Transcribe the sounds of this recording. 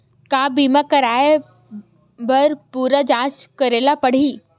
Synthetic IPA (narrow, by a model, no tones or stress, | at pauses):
kaːbiːmakəɾaːe | bɐɾpuːɾad͡ʒãːt͡ʃkəɾeːlapəɽ̤iː